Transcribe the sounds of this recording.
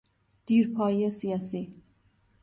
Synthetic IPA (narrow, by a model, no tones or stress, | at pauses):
d̪̥iːɾpʰɑːjijɛsijɑːsi